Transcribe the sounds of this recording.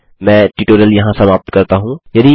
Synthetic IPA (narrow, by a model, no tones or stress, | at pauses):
mɛ̃ːʈiːʈoːɾijəljɐɦãsɐmaːp̚t̪kɐɾt̪aɦũːjɐd̪i